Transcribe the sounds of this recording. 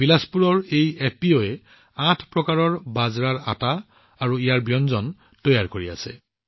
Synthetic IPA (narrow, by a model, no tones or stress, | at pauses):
bilaspuɹɔɹejepioɛ | ãtʰpɹɔkaɹɔɹbazɹaɹa̰taː | ɹuijaɹbijɔnzɔn | tɔjaɹkoɹia̰sɛ̰